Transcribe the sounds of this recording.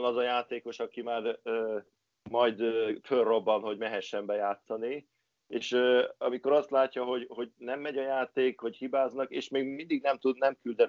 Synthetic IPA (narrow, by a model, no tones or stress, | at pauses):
nɒzɒjaːt̪eːko̞ʃɒkimaːrøː | mɒjd̪førrːo̞bːɒnɦo̞ɟmɛɦɛʃːɛmbɛjaːt̪sɒni | eːʃøɒmiko̞ɾɒst̪laːcːɒɦo̞ɟho̞ɟnɛmːɛɟɒjaːt̪eːkho̞chibaːznɒkḛːʃmeːɡmind̪iɡnɛmt̪ud̪nɛmkyld̪ɛn